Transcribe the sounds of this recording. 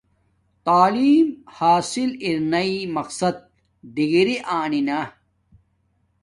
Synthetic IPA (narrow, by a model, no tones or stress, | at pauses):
t̪aːliːmhaːsiliɾnɐimɐqsɐd̪̚ | d̪iɡiɾiʔaːnina